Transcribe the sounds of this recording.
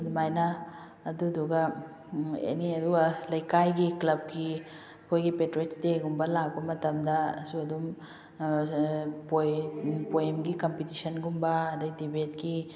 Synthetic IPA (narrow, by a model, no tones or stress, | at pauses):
dmajnɐː | duduɡɐ | a̰niɐduɡɐlɐjkajɡiklɐb̚ɡi | ɐkʰojɡipetɾetsdeɡumbɐlak̚bɐmɐtɐmdɐsuɐdum | pojpojemɡikɐmpitisɐnɡumbɐːdɐdibetki